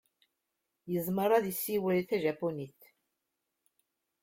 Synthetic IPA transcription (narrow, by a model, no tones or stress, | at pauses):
jəzˤməɾˤɑðjəsːiwɾiθæʒæponiθ